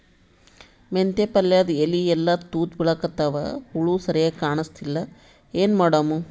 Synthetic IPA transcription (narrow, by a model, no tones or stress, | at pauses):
ment̪epɐlːjɐd̪eliɛlːɐt̪uːt̪biɭɐkɐt̪ːaːʋɐ̰uɭuːsɐɾɐjakaːɳɐst̪ilːɐ | eːnmaːɽaːmu